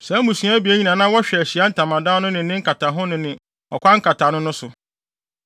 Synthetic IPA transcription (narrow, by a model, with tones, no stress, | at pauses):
sɛ˨˦mũ˨sũ˨˦a˦bi˨˦æ˦ɲĩ˨nã˨nã˦wɔ˦ɕᶣɛ˨æ˨ɕi˨a˦n̩˦tʰã˨mã˨dã˦nʊ̃˦nɪ̃˨nɪ̃˦ŋ̩˦kʰa˨tʰa˨ɦʊ̃˦nʊ̃˨nɪ̃˨ | ɔ˨kʷã˦ŋ̩˦kʰa˨tʰa˨nʊ̃˦nʊ̃˦sʊ˨